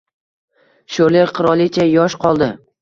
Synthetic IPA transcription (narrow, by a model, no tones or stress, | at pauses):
ʃoɾleɾqʰɨɾɒlˠɪt͡ʃʰajɒʃqʰɒlˠd̪ɪ